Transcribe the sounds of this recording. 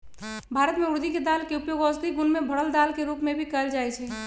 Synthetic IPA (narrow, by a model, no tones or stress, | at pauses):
bʱaɾət̪meuɾd̪iked̪alkeupjoɡɔsd̪ʱiɡunmebʱəɽəld̪alkeɾupmebʱikəld͡ʒaɛt͡ʃʰɛ